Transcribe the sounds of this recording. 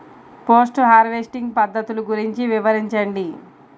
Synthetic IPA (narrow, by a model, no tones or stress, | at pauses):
poːsʈɦaːɾʋeːsʈiŋɡpɐd̪ːɐt̪uluɡuɾiɲt͡ʃiʋiʋɐɾiɲt͡ʃɐɳɖi